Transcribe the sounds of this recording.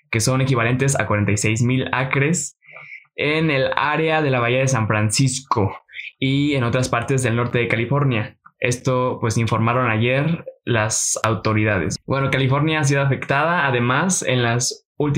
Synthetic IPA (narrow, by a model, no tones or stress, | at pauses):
ke̞so̞ne̞kiβ̞ale̞nt̪e̞s̬a̰kwaɾe̞nt̪ajsejzmila̰kɾe̞s | enela̰ɾe̞aðe̞laβaiaðe̞s̬aɱfɾansisko̞ieno̞t̪ɾaspaɾt̪e̞zðe̞lno̞ɾt̪e̞ðe̞kalifo̞ɾnjae̞st̪o̞pwe̞siɱfo̞ɾmaɾo̞naʝe̞ɾlasa̰wt̪o̞ɾiðaðḛsbwe̞no̞kalifo̞ɾnjaas̬iðoafe̞kt̪að̞aːðe̞masḛnlas | ult̪